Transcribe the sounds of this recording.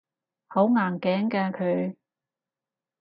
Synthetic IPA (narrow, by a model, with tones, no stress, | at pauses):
ho˨˥wŋaː˨˩ŋkɛː˨˥ŋkɛː˧kʰɵ˨˧ɥ